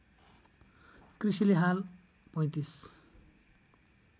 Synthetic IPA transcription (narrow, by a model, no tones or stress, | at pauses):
krisileɦal | pʌ̃j̃t̪is